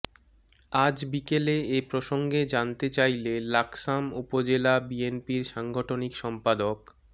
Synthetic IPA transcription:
ad͡ʑbikeleepɾoʃoŋɡed͡ʑant̪et͡ɕajlelaksamupod͡ʑelabienpiɾʃaŋɡʱoʈʰonikʃɔmpad̪ok

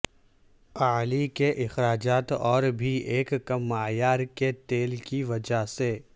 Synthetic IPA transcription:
aːlikeʔɪxɾaːd͡ʒaːt̪ɔːɾbʱiʔeːkkɐmːaːjaːɾket̪eːlkiʋɐd͡ʒase

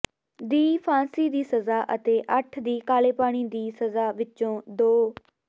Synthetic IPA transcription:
d̪iːpʰãːsiːd̪iːsəzaːʔət̪eːʔəʈʰd̪iːkaːleːpaːɽ̃iːd̪iːsəzaːʋɪt͡ʃõːd̪oː

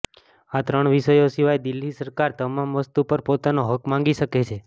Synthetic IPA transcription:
at̪ɾəɳ̃ʋiʃəjosiʋajd̪ilːisəɾkaɾt̪əmamʋəst̪upəɾpot̪anoɦəkmãŋɡiʃəket͡ʃʰe

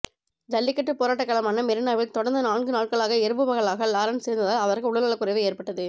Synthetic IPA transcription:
d̪ɐlːɪkːɐʈrɯpːoːɾaːʈːɐkːɐɭɐmaːnɐmɛɾɯnaːʋɪlt̪ɔɽɐnd̪ɐnaːnɡɯnaːʈ̚kɐɭaːɣɐɛɾɯbɯʋɐɣɐɭaːɣɐlaːɾɐnseːɾnd̪ɐðaːlɐʋɐɾɣɯʊɽɐlɐɭɐkːʊɾɐɪʋɐeːɾpɐʈːɐðɯ

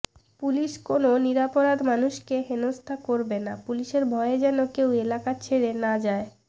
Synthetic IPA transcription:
puliʃkononiɾapoɾad̪manuʃkeɦenost̪ʰakoɾbenapuliʃeɾbʱɔeed͡ʑɛnokewelakat͡ɕʰeɾenad͡ʑae

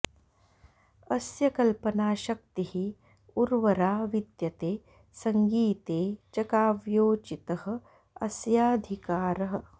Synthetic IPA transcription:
ɐsjɐkɐlpɐnaːʃɐk̚t̪ihi | uɾʋɐɾaːʋid̪jɐt̪eː | sɐŋɡiːt̪eːt͡ʃɐkaːʋjoːt͡ʃit̪ɐhɐ̆ | ɐsjaːd̪ʱikaːɾɐɦɐ̆

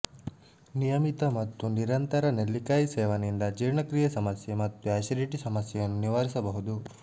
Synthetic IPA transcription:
nijɐmit̪ɐmɐt̪ːuniɾɐnt̪ɐɾɐnelːikaːjisɛːʋɐnind̪ɐd͡ʒiːɾɳɐkɾijɐsɐmɐsjemɐt̪ːuaːʃɐɾiʈisɐmɐsjɛjɐnːuniʋaːɾisɐbɐɦud̪u

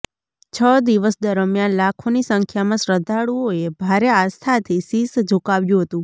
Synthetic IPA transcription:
t͡ʃʰəd̪iʋəsd̪əɾəmjanlakʰonisə̃ŋkʰjamãsɾəd̪ʱaɽuoebʱaɾeast̪ʰat̪ʰisisd͡ʒʱukaʋjũɦət̪ũ

